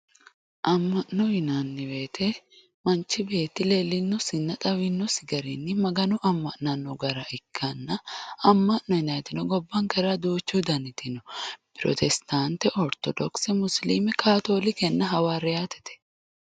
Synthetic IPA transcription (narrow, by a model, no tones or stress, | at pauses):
ʔɐmːɐʔnɔjɪnanːɪweːt̪ʰɛ | mɐnt͡ʃːɪbe̞ːt̪ːɪle̞ːlːɪnːɔsɪnːɐt̪ʼɐwɪnːɔsɪɡɐɾɪnːɪmɐɡɐnʊʔɐmːɐʔnɐnːɔɡɐɾɐʔɪkːɐnːɐɐmːɐʔnɔhɪnɐt̪ɪnɔɡɔbːɐŋkɐɾaːd̪uːt͡ʃːuːd̪ɐnɪt̪ɪnɔpɪɾɔ̰t̪ʰɛst̪aːnt̪ɛʔɔɾt̪ɔd̪ɔksɛmʊslimɛkʰaːt̪o̞ːlɪkɛnːɐɦɐwaːɾɛjaːt̪ɛ̥t̪ɛ̥